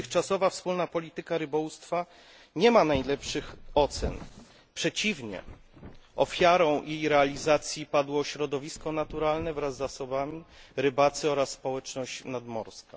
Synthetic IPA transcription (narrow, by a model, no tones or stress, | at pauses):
ɘxt͡ʂasɔvafspulnapɔlʲit̪ɘkaɾɘbɔwust̪fa | ɲɛmanajlɛpʂɘxɔt̪sɛ̰n | pʂɛt͡ɕivɲɛ̰ | ʔɔfʲjaɾɔ̃w̃jejɾɛalʲizat̪sʲjipad̪wɔːɕɾɔd̪ɔvʲiskɔnat̪uɾalnɛvɾazːasɔbamʲiɾɘbat̪sɘɔɾasːpɔwɛt͡ʂnɔɕt͡ɕnad̪mɔɾska